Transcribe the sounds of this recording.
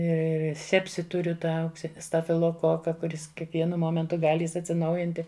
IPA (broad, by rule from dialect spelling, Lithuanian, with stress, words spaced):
ɪr ɪr ɪr ˈsʲæːpʲsʲɪ ˈtʊrʲʊ ˈtɑː ɐʊkˈsʲɪnʲɪ stɐfʲɪlˠoːˈkoːkɐ kʊˈrʲɪs kʲiɛkˈʋʲiɛnʊ ˈmoːmʲɛntʊ ˈɡɑːlʲɪ ɐtʲsʲɪˈnɐʊjɪnʲtʲɪ